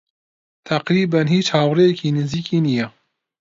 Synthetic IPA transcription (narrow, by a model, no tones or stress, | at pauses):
t̪ʰɐqɾiːbanhiːt͡ʃhaːwrejɛkiːnɨziːkiːnijɛ